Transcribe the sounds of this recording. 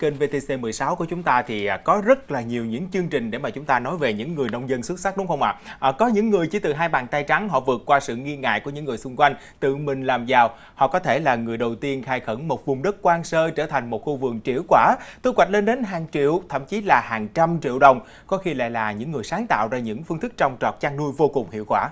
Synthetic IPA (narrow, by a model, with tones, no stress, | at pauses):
t͡ɕe˧nve˧t̪e˧se˧mɨ˨˩əjsaː˨˦wku˧˩t͡ɕʊ˨˦ŋ͡mt̪aː˧t̪ʰi˨˩˨kɔ˨˦zə˦˥t̚laː˨˩ɲi˨˩əwɲɨ̰˧˥ŋt͡ɕɨ˧əŋt͡ɕï˨˩ŋ̟ɗe˧˩maː˨˩t͡ɕʊ˨˦ŋ͡mt̪aː˧nɔ˨˦jve˨˩ɲɨ̰˧˥ŋːɨ˨˩əjnə˧wŋ͡mzə˧nswu˦˥t̚sa˦˥k̚ɗʊ˨˦ŋ͡mxə˧wŋ͡mʔa̰ː˧˨ʔːkɔ˨˦ɲɨ̰˧˥ŋːɨ˨˩əjt͡ɕi˧˩t̪ɨ˨˩ɦaː˧jɓaː˨˩nt̪aː˧jt͡ɕa˨˦ŋɦɔ̰˧˨vɨ˨˩ət̚kwaː˧sɨ̰˧˨ŋi˧ŋa̰ː˧˨jku˧˩ɲɨ̰˧˥ŋːɨ˨˩əjsʊ˧ŋ͡mkwa˧jŋ̟ | t̪ɨ̰˧˨mï˨˩ŋ̟laː˨˩mzaː˨˩w | hɔ̰˧˨kɔ˨˦t̪ʰe˧˩laː˨˩ŋɨ˨˩əjɗə˨˩wt̪i˧ənxaː˧jxə˧˩ŋmo˨˩t̚vʊ˨˩ŋ͡mɗə˦˥t̚kwaː˧nsəː˧t͡ɕəː˧˩t̪ʰa˨˩jŋ̟mo˨˩t̚xu˧vɨ̰˨˩əŋ̚t͡ɕḭ˧˩əwkwaː˧˩t̪u˧˦kwa˨˩jk̟le˧nɗe˨˦nɦaː˨˩ŋt͡ɕḭ˧˨əwt̪ʰə̰˧˨mt͡ɕi˨˦laː˨˩haː˨˩ŋt͡ɕa˧mt͡ɕḭ˧˨əwɗə˨˩wŋ͡m | kɔ˨˦xi˧la̰ː˧˨jlaː˨˩ɲɨ̰˧˥ŋːɨ˨˩əjsaː˨˦ŋt̪a̰ː˧˨wzaː˧ɲɨ̰˧˥ŋfɨ˧ŋt̪ɨ˦˥k̚t͡ɕɔ˧wŋ͡mt͡ɕɔ˨˩t̚t͡ɕaː˧ŋnu˧jvo˧kʊ˨˩ŋ͡mhḭ˧˨əwkwaː˧˩